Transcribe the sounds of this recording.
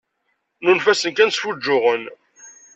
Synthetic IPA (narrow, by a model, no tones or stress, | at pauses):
nunfæsənkænsfud͡ʒːʊʁən